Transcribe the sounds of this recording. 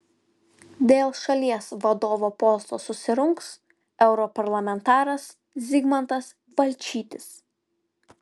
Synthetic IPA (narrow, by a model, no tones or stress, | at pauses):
d̪ʲeːlˠʃɐlʲiɛsʋɐd̪oːʋoːpɔst̪oːsʊsʲɪɾʊŋks | ɛʊɾɔpɐɾlˠɐmʲɛnt̪ɑːɾɐs | zʲɪɡmɐnt̪ɐs | bɐlʲˑt͡ʃʲiːt̪ʲɪs